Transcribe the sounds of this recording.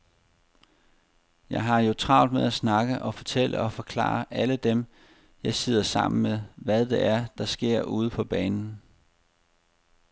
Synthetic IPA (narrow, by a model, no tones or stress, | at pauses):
jɑ̈ɪɦɑ̈jo̝t͡sʰʁɑ̈ʊ̰d̥meðˠæsnɑ̈ɡ̥əʔɒ̽fɒ̽t͡sʰel̰ə̰ɒ̽fɒ̽kʰlɑ̰̈ːɐʔæləd̥em | jɑ̈ɪse̝ð̰ˠɐsɑ̈m̰n̩meðʋæðˠd̥e̝ʔæɐd̥ɑ̈sɡ̥e̝ɐ̰ʔuːð̞̩ˠəpʰɒ̽b̥ɛːnn̩